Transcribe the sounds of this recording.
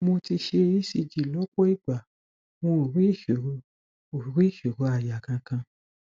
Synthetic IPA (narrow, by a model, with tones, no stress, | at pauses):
mo˧ti˧ʃe˧i˦si˦˨d͡ʒi˨lɔ˦k͡pɔ˦i˦˨ɡ͡ba˨ | mõ˧˨ɾi˦i˦˨ʃe˨o˧ | o˨ɾi˦˨ʃe˨ɾo˨˧a˨ja˨kã˧kã˧